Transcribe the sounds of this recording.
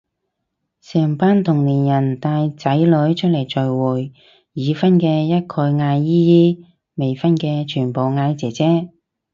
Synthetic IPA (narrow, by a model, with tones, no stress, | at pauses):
sɛː˨˩ŋpaː˥nt̪ʰʊ˨˩ŋliː˨˩njɐ˨˩nt̪aː˧jt͡sɐ˨˥jlɵ˨˥ɥt͡ʃʰɵ˥t̚lɐ˨˩jt͡ʃɵ˨ɥwuː˨˩jː | iː˨˧fɐ˥nkɛː˧jɐ˥t̚kʰɔː˧jŋaː˧jːiː˥jiː˥ | me˨jfɐ˥nkɛː˧t͡ʃʰyː˨˩npo˨wŋaː˨˧jt͡sɛː˨˩t͡sɛː˥